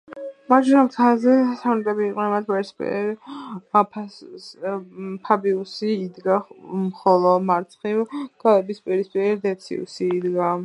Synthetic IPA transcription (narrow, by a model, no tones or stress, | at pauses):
maʃɾamkʰazɛsant̪ʼɛbiːqʼnɛnmat̪ʰbɛɾspʼḭɾ | pʰ | pʰabiusiːd̪ɡamχɔlˠɔmaɾt̪sʰχivɡ̥alɛbispʼiɛɾispʼiɛɾid̪ɛt̪sʰḭṵsiːd̪ɡa